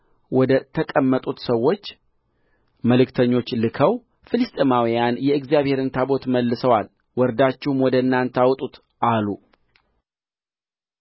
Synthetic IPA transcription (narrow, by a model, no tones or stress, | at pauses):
wɔd̪ət̪ʰəkʼəmːət̪ʼut̪səwːo̞t͡ʃː | məlɨkt̪ʰəɲːo̞t͡ʃːlɨkʰəw | fɨlɨst̪ʼɨmawijanjɛɨɡzijaβhe̞ɾɨnt̪ʰabo̞t̪məlːɨsəwal | wɔɾd̪at͡ʃːɪhumwɔd̪əɨnːant̪ʰawt̪ʼut̪ | ʔalːu